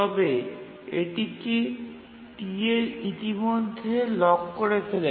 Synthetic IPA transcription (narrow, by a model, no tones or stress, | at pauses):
t̪ɔbe | eʈiki | ʈieɾit̪imod̪ʱːelɔkkoɾet̪ʰile